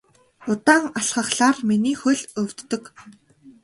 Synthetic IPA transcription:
ʊt̪aːŋaɬχə̆χɬaːrminiːxɵɮɵwʲt̪ːɵ̆k

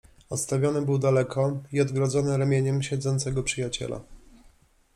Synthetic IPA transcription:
ɔt̪st̪avʲjɔnɘbɘwd̪alɛkʰɔiɔd̪ɡɾɔd̪zɔnɘɾamʲjeɲɛmɕɛd̪zɔnt̪sɛɡɔpʂɘjat͡ɕɛ̰la̰

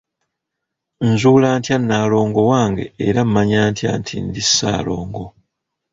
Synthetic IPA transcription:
nzuːlaːntjanːaːlo̞ːŋɡo̞waːŋɡe̞̰ːɾamːaɲaːntja̰ːntʰḭndisːa̰ːlo̞̰ːŋɡo̞

